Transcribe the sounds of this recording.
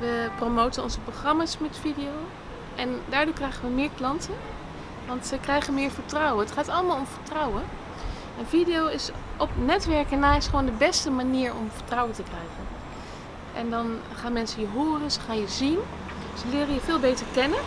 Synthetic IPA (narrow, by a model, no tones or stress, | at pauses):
ʋəpromowtənɔnzəproχrɑmaːsmɛtfidijow | ʔɛndaːɹdʊːkrɛjχənʋəmɪːɹklɑntə | ʋɑntəkrɛjχənmɪːɹvəɹtrɔwənɦətχaːtɑlˠəmaːlˠɔmvəɹtrɑwə | ʔɛnfidiowɪsʔɔpnɛtʋɛɹkənːaːɪsχəʋoːndəbɛstəmaniːɹɔ̰mfəɹtrɔwəntəkrɛjχən | ʔɛndɑn | χaːnmɛnsəjəɦoːrənsəχaːnjəzin | səlɪːrəjəvɪːlˠbejtəɹkɛnə